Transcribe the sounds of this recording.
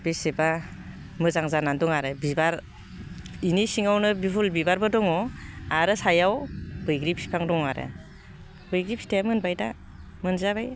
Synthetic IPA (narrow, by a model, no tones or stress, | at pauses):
b̥eseba | mɯzaŋzanandɔŋaɾɯbibaɾ | inisiŋawnɯbipʰulbibaɾbɯdɔŋɔaɾɯsajawbɯjɡɾip̚si̥pʰaŋdɔŋaɾɯ̰ | bɯjɡɾip̚si̥teamɯnbajda | mɯnzabaj